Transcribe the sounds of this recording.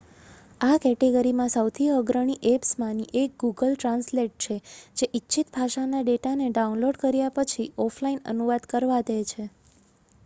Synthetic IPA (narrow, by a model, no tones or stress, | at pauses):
akɛʈeɡəɾimãsəwt̪ʰiəɡɾəɽ̃iʔepsmãniʔek̚ɡuɡəlʈɾãnsleʈ̚t͡ʃʰed͡ʒeʔitːʃʰit̪bʱaʃanaɖeʈaneɖaunloɖkəɾjapət͡ʃʰiɔpʰlainə̰nuʋad̪kəɾʋad̪et͡ʃʰe